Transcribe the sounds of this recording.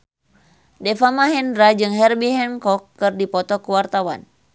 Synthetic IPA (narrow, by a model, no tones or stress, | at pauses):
dɛfamaɦɛndɾad͡ʒɨŋɦɛrbiɦɛnkɔkːɨrdipɔt̪ɔkuwart̪awa̰n